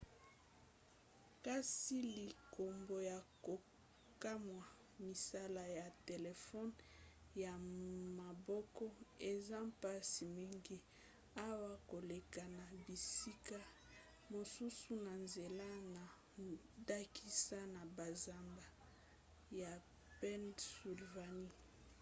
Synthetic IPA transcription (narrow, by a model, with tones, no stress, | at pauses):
ka˦si˦li˨kʰo˨mbo˨ja˨ko˨ | ka˦mwa˨ | mi˨sa˦la˨ja˨te˨le˨fɔ˦n | ja˨ma˨bɔ˦kɔ˦e˨za˦mpa˦si˨mi˦ŋɡi˦ | a˦wa˦ko˨le˨ka˨na˨bi˨si˦ka˦ | mo˨su˦su˦na˨nze˨la˦na˨ | da˦ki˦sa˦na˨ba˨za˨mba˨ | ja˨ | pɛ˦nsu˨lva˨ni˦